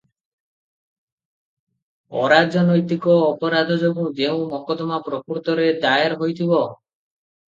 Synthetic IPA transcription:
ɔ̰ɾad͡ʒɔnojt̪ikɔːpɔɾad̪ʱɔd͡ʒɔbũd͡ʒeũmɔkɔt̪ɔmapɾɔkuɾt̪ɔɾed̪aeɾɦojt̪ʰibɔ

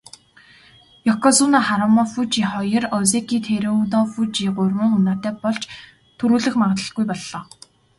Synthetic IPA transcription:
jɔkɔsunaχaɾɔmɔfut͡ɕiːχɔjɞ̆rɔzekiːt̪ʰeɾeunɔfut͡ɕiːɢʊrmɘ̆ŋunaːt̪æːpɔɮt͡ɕ | t̪ʰɵɾuːɮɘ̆xmaʁə̆t̪ɮə̆ɮɡujpɔɮːɔː

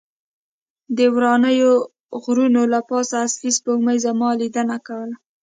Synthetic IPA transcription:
d̪əwɾɑnəjo | ɣɾunolapɑsaːsfispoməjzamɑlid̪ənakawəla

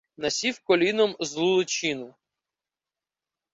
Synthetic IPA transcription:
nɐsʲifkɔlʲinɔmzlˠulˠɪt͡ʃinɔ

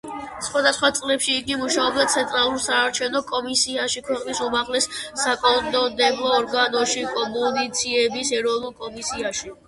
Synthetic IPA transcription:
sχwad̪asχwat̪sʼlɛpʃiːɡimuʃaɔbd̪at̪sʰɛnt̪ʼɾalˠuɾsaːɾt͡ʃʰɛvnɔkʼɔmisiaʃikʰwɛqʼnisumaʁlɛsːakʼɔd̪ɔd̪ɛblˠɔːɾɡanɔʃikʼɔmunit̪sʰiɛbisɛɾɔvnulˠkʼɔmisiaʃi

